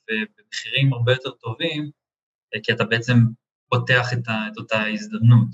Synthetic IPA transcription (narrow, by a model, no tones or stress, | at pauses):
ve̞bemeχiʁimaʁbejo̞te̞ʁt̪o̞vim | kiatabeet͡se̞m | pote̞aχet̪aet̪otaizd̪ɐmnut̪